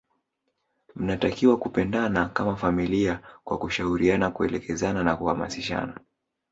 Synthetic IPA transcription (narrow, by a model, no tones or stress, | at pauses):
m̩natakiwakupɛndanakamafamiliakwa̰kuʃauɾianakuɛlɛkɛzananakuhama̰siʃa̰na